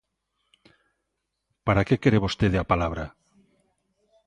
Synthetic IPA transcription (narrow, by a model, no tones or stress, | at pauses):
paɾakekeɾeβost̪eðeapalaβ̞ɾa